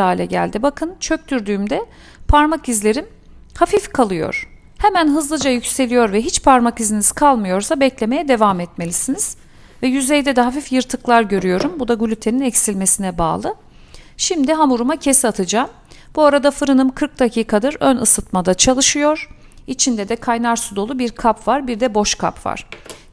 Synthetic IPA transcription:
aːilʲɛ̰ɟæ̰lʲd̪ibakʰɯnt͡ʃʰøc̚t̪yɾd̪yːmd̪ɛ | pʰaɾmakizlʲe̞ɾim | hafifkʰalˠɯjo̰ɾ̥ | hemænɦɯzlˠɯd͡ʒajycʲse̞lʲijo̞ɾvɛɦit͡ʃpʰaɾmakiziniz̥kʰalˠmɯjo̞ɾsabɛclʲe̞me̞jɛd̪e̞vaːmɛt̪me̞lʲisiniz̥ | vɛjyzejd̪ɛd̪ɛɦafifjɯɾt̪ʰɯklˠaɾɟø̞ɾyjo̞ɾumbud̪aɡulʲyt̪ʰe̞ninɛcsilʲmesinɛba̰ːlˠɯ | ʃimd̪iɦamuɾumacʰesiat̪ʰɯd͡ʒaːm | b̥uaɾad̪afɯɾɯnɯmkʰɯɾk̚d̪acʰiːkʰad̪ɯɾønɯsɯt̪̚mad̪at͡ʃʰalˠɯʃɯjo̞ɾ̥ | it͡ʃʰind̪ɛd̪ɛkʰajnaɾsud̪o̞lˠubiɾkʰapvaɾbiɾd̪ɛbo̞ʃkʰa̰pva̰ɾ̥

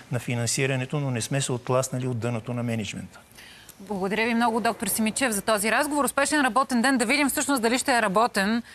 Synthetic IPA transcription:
nɐfinɐnsiɾɐnɛt̪ononɛsmɛsɛot̪̚klˠasnɐliod̪ːɤnət̪onɐmɛnɛd͡ʒmɛ̰nt̪ə̥ | blˠɐɡod̪ɐɾʲəvimnɔɡʊd̪ɔk̚t̪oɾsimit͡ʃɛvzɐt̪ɔziɾazɡovoɾʊspɛʃɛnɾɐbɔt̪ɛnd̪ɛnd̪ɐvid̪imfsɤʃnosd̪ɐliʃt̪ɛɛɾɐbɔt̪ɛn

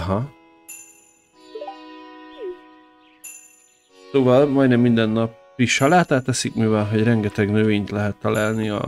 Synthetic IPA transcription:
ɦɒ | soːvɒlmɒjnɛmːind̪ɛnːɒp | iʃɒlaːt̪aːt̪ːɛsikmiːvɛlɦo̞ɟrɛŋɡɛt̪ɛɡnøveːɲt̪lɛɦɛt̪ːɒlaːlniɒ̰

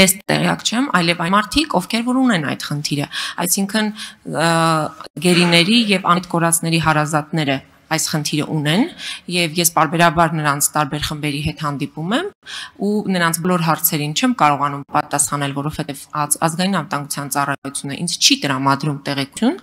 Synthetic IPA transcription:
jɛst̪ɛ̰ʁijɑ̰kt͡ʃʰɛmɑ̰jlɛvɑjmɑɾt̪ʰikɔvkʰɛɾvɔɾunɛnɑ̰jd̪̥χənt̪ʰiɾəɑ̰jsiŋkʰən | ɡɛɾinɛɾijɛvɑt̪kɔɾɑt͡sʰnɛɾiɦɑɾɑzɑt̪nɛɾə | ɑjsχənt̪ʰiɾə̰ʔunɛnjɛvjɛspɑɾbɛɾɑbɑɾnəɾɑnt͡sʰt̪ɑɾbɛɾχəmbɛɾiɦɛt̪hɑnd̪ipumɛmunəɾɑnt͡sʰbɔlɔɾɦɑɾt͡sʰɛɾint͡ʃʰɛmkɑɾɔʁɑnumpɑt̪ɑsχɑnɛlvɔɾɔv̥hɛt̪ɛvɑ̰zɡɑjinɑnvət̪ɑŋɡut͡sʰjɑnt͡sɑrɑjut͡sʰjunəʔḭnt͡st͡ʃʰit̪əɾɑmɑd̪ɾumt̪ɛʁɛku̥jun

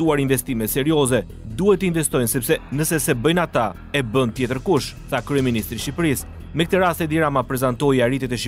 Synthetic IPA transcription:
uaɾiɱvɛst̪imɛt̪sɛɾjɔzɛ | d̪uhɛt̪əinvɛst̪ɔjnsɛpsɛnəsɛsɛbəjnat̪a | ɛbənt̪jɛt̪əɾkuʃθakɾyɛminist̪ɾiʃipɾis | mɛkət̪əɾast̪ɛd̪iɾamapɾɛzant̪ɔjarit̪ɛt̪ɛʃ

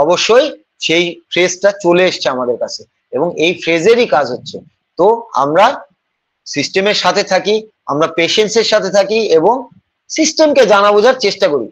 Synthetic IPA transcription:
ɔboʃːoj | ʃejfɾesʈat͡ɕoleeʃt͡ɕʰeamad̪eɾkat͡ɕʰe | eboŋejfʰɾezeɾikad͡ʑʱɦotːɕʰe | t̪oa̰mɾa | sisʈemeɾʃat̪ʰet̪ʰaki | a̰mɾapeʃenseɾʃat̪ʰet̪ʰakieboŋ | sisʈemked͡ʑanabod͡ʑaɾt͡ɕeʃʈakoɾḭ

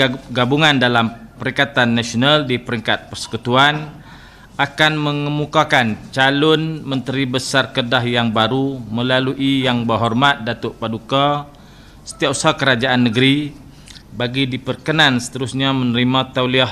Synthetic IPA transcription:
ɡabuŋandalampəɾiŋkat̪anːasionaldipəɾiŋkat̪̚pərsə̥kut̪uan | ʔakanməŋəmukakant͡ʃalʊnmə̃nt̪əɾibəsarkədahjaŋbaɾumə̃laluʔijaŋbərɦɔrmat̪̚dat̪ʊʔpaduka | sə̥t̪iapu̥sahkəɾad͡ʒaʔanːəɡɾi | baɡidipərkənãnsə̥t̪əɾusɲamənəɾimãt̪awliah

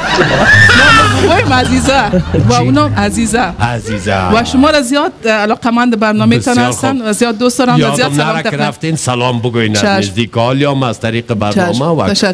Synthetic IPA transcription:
mamaɡojɪmazizawaunɔazizaaziza̰waʃʊmɔɾazijɔt̪alɔqamand̪ɪbaɾnɔmet̪ɔnast̪anwazijɔt̪̚d̪ostd̪ɔɾanwazijɔt̪ssalɔmk̪aɾft̪ensalɔmbəɡojnaaʃɪzd̪ikɔljɔmaz̥t̪aɾiqəbaɾt͡ʃaɔmawa̰aʃa

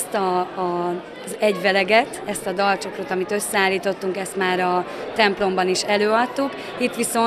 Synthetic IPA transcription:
st̪ɒː | zɛɟʋɛlɛɡɛt̪ɛst̪ɒd̪ɒlt͡ʃo̞kɾot̪ɒmit̪ø̞sːɛaːlːiːt̪o̞t̪ːuŋkɛst̪maːɾɒt̪ɛmplo̞mbɒniʃɛløːɒt̪ːuk | it̪ːʋiso̞

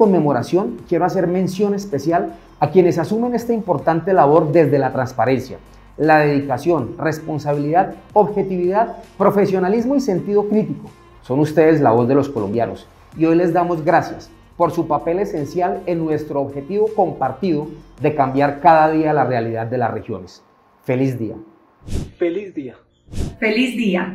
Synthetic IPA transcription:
konme̞mo̞ɾasjo̞ŋkje̞ɾoas̬e̞ɾmẽ̞nsjo̞ne̞spe̞sjal | akje̞ne̞sasume̞ne̞st̪aimpo̞ɾt̪ant̪e̞laβo̞ɾd̪e̞zd̪e̞lat̪ɾanspaɾe̞nsja̰ | laðe̞ðikasjo̞nre̞spo̞nsaβiliðaðoβxe̞t̪iβiðaðpɾo̞fe̞sjo̞nalizmo̞ise̞nt̪iðo̞kɾit̪iko̞ | so̞nust̪eð̞e̞zla̰βo̞zd̪e̞lo̞sko̞lo̞̰mbja̰no̞̰s | io̞jle̞zd̪amo̞zɡɾasjas | po̞ɾsupape̞le̞se̞nsjale̞nːwe̞st̪ɾo̞ːβxe̞t̪iβo̞ko̞mpaɾt̪iðo̞d̪e̞kambjaɾkaðaðialarealiðad̪̚ːe̞lasre̞xjo̞ne̞s | fe̞lizd̪ia̰ | felizdia | felizd̪ia

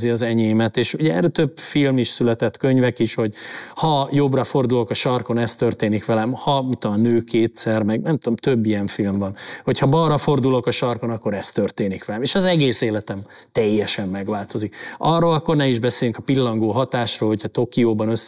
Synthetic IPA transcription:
ziɒzɛɲeːmɛt̪eːʃuɟɛɛ̰rɛt̪øbfilmiʃsylɛt̪ɛt̪ːkø̞ɲvɛkiʃho̞ɟhɒjo̞brɒfo̞rd̪ulo̞kɒʃɒrko̞nɛst̪ørt̪eːnikʋɛlɛmhɒmit̪ːolnøːkʰeːt̪sɛrmɛɡnɛmt̪omt̪øbːijɛɱfilmvɒnho̞cʰhɒbɒrːɒfo̞rd̪ulo̞kɒʃɒrko̞nɒkːo̞ɾɛst̪ørt̪eːnikʋɛlɛmeːʃɒzɛɡeːseːlɛt̪ɛm | t̪ɛjːɛʃɛmːɛɡʋaːlt̪o̞zikɒrːoːlɒkːo̞rnɛiʒbɛseːlyŋkɒpilːɒŋɡoːɦɒt̪aːʃroːlho̞cʰɒt̪o̞kioːbɒnøsː

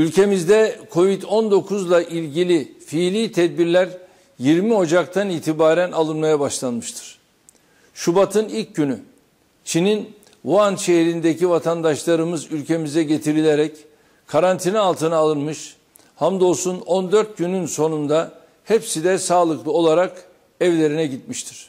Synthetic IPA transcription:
ylʲcʰe̞mizd̪ɛkʰo̞vit̪ʰo̞nd̪o̞kʰuzlˠaʔilʲɟilʲifiːlʲiːt̪ʰɛd̪̚biɾlʲæɾ | jiɾmio̞d͡ʒakt̪ʰaniːt̪ʰibaːɾænalˠɯnmajabaʃlˠanmɯʃt̪ʰɯ̥ɾ̥ | ʃubat̪ʰɯnilʲcɟyny | t͡ʃʰinin | vuanʃe̞ɦɾind̪e̞civat̪ʰand̪aʃlˠaɾɯmɯzylʲcʰe̞mizɛɟe̞t̪ʰiɾilʲeɾɛc | kʰaɾant̪ʰinialˠt̪ʰɯnaːlˠɯnmɯʃ | hamd̪o̞sunond̪øɾt̪̚ɟynynso̞nund̪a | hɛpsid̪ɛsaːlˠɯklˠɯo̞lˠaɾak | ɛvlʲe̞ɾinɛɟit̪miʃt̪ʰiɾ̥

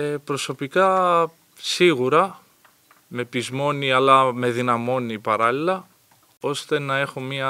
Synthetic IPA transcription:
epɾo̞so̞pikɐ | siɣuɾɐ | me̞pizmo̞niɐlɐme̞ðinɐmo̞nipɐɾɐlilɐ | o̞st̪e̞nɐe̞xo̞mɲiɐ

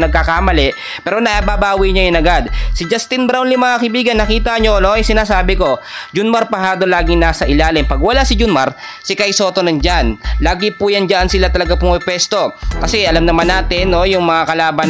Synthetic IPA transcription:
nɐɡ̚kakaːmɐlɛʔ | pɛːɾonɐʔabaːbaːwiɲɐjʊnɐɡad̪̚sɪd͡ʒast̪ɪnbɾawnliŋmɐŋakɐɪbiːɡɐnːɐkiːt̪ɐɲo̞noɐjsɪnaːsaːbɪko̞ | d͡ʒʊnmɐɾpɐhaːd̪olaːɡɪŋnaːsɐʔɪlaːlɪmpɐɡwɐlasɪd͡ʒʊnmɐɾ | sɪkajsoːt̪o̞nɐŋd͡ʒanlaːɡɪpujand͡ʒɐʔansɪlat̪ɐlɐɡapʊŋʊpwɛst̪o̞kɐsɛʔɐlamnɐmanːaːt̪ɪnːo̞jʊŋmɐŋakɐlaːbɐn

